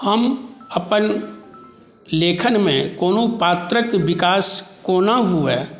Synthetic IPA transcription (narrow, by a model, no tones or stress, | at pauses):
hɐmɐpən | leːkʰənmẽkoːnopaːt̪ɾəkʋɪkaːskoːnaɦuɛː